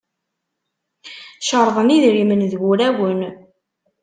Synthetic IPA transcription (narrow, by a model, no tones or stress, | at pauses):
ʃəɾˤðˤəmiðɾimənðɡuɾæwən